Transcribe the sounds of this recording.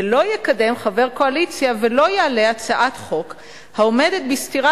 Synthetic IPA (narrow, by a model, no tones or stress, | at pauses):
elo̞jekade̞mχave̞ʁko̞alit͡sjavelo̞jaale̞at͡saʔat̪χo̞k | haome̞det̪bistiʁa